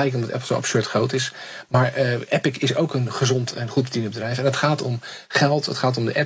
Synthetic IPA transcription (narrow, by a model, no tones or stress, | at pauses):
ɛjkɔmdɑtɛ̰pl̩ˠsowʔɑ̰psøɹtχrowtɪsmaːɹʔɛpɪkɪsowkənχəzɔntʰɛnχut̚bədindəbədrɛjfɛnətχaːtɔm | χɛlˠtɦətχaːt̬ɔmdəʔɛ